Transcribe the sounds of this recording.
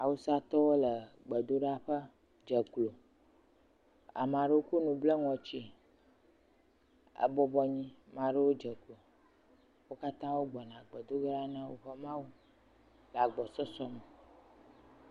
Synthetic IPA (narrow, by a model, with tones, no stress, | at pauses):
a˨wu˦sa˦t̪ɔ˦wo˦lə˨ɡ͡bə˨d̪o˦ɖa˦ɸə˦ | d͡ʒə˨klo˨ | a̰˨mã˨ɖə˦wo˦ku˦nũ˨blə˦ŋɔ̃˨t͡ɕi˦ | ə̰˦bɔ˦bɔ˦ɲĩ˦mã˨ɖə˦wo˦d͡ʒə˨klo˨ | wo˦ka˦t̪ã˦wo˦ɡ͡bɔ˨nã˨ɡ͡bə˨d̪o˦ɡa˦ɖa˦nã˦wo̰˦ɸə˦mã˦wu˦ | la˨ɡ͡bɔ˨sɔ˦sɔ˦mə˨